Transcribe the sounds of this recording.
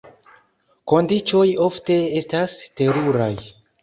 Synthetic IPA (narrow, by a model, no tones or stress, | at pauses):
ko̞ndit͡ʃo̞jo̞fte̞estaste̞ɾuɾaj